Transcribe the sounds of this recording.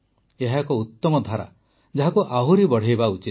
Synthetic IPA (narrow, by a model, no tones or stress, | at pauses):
eɦakɔut̪ːɔmɔd̪ʱaɾa̰ | d͡ʒaɦakuʔaɦuɾibɔɽ̤ejbaut͡ʃi